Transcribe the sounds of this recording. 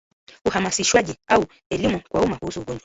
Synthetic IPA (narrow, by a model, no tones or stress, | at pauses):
uhamasiʃwaʄiau | ɛlimukwaumakuhusuuɡɔɲd͡ʒwa